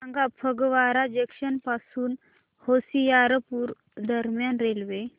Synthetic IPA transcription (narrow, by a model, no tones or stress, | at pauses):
aŋɡapʰəɡʋaɾad͡ʑekɕənpasuːn | hosijaɾəpuːɾ | d̪əɾmjanɾelʋe